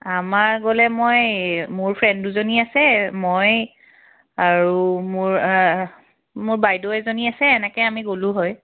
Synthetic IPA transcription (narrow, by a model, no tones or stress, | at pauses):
amaɹɡolɛmojmʊɹpʰɹɛnduzoniasɛmoj | aɹumʊɹ | mʊɹbajdoɛzoniasɛːnɛkɛamiɡolʊ̃ɦɔj